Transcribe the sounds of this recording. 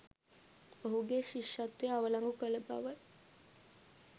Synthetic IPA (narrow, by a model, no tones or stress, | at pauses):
oɦuɡeʃiʃat̪ʋeaʋəlaŋɡukələba̰ʋə